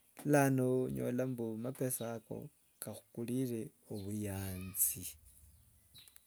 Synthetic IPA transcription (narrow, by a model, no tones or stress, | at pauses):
lanoɲo̰lambumapesako̞̰ | kaxu̥kulire | oβujaːnt͡si